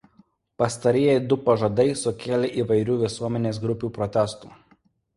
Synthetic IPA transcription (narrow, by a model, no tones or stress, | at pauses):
pɐst̪ɐɾʲijɛɪd̪ʊpɐʒɐd̪ɐɪsʊkʲeːlʲeʔiːʋɐɪɾʲuːʋʲɪsuɔmʲɛnʲeːsɡɾʊpʲuːpɾɔt̪ʲæst̪ṵː